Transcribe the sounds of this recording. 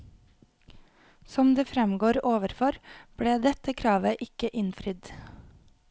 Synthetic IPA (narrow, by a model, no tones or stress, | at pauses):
sɔmd̪eːfɾɛmɡoːɾoːʋəɾfɔɾb̥ɽeːd̪ɛt̪əkʰɾɑːʋəʔɪkəʔɪnfɾɪd̪